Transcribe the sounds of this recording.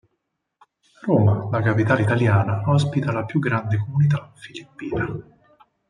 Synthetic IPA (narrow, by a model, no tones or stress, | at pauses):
roːmalakapit̪aːleit̪aljaːnaaspit̪alapjuɡɾand̪ekomunit̪afilipːiːna